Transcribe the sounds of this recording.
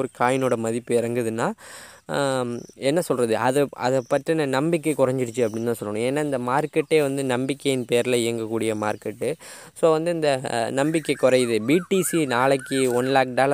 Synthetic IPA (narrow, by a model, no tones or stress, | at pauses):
ɾɯkʰaːjɪnoːɽɐmɐðɪpːɯɪɾɐŋɡɯðɯnːaː | ɛnːɐsɔlrɐðɯʔɐðɯʔɐ̰ðɛpːɐʈɾinɐnɐmbɪk̬ːɛkʊɾɐɲd͡ʒɪɽɯt͡ʃːɯɐpːɐɽɪnt̪aːsɔlːɐɳ̃ʊ̃eːnːaːɪnd̪ɐmaːɾkɛʈːeːʋɐnd̪ɯnɐmbɪkːɐjɪnpeːɐɾɪlɐɪjɐŋɡɐkːuːɽɪjɐma̰ːɾkɐʈːɯ | soːʋɐnd̪ɯɪnd̪ɐnɐmbɪkːɛkʊɾɐjðɯbiːʈisinaːɭɐkːɯɔnlaːk̚ɖ̪aːlɐ